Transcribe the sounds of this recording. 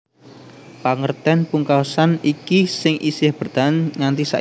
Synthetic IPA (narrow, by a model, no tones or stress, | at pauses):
paŋərt̪ɛnpuŋkawsanikisɪŋʔisɪhb̥ərd̪̥anŋant̪isa̰ʔ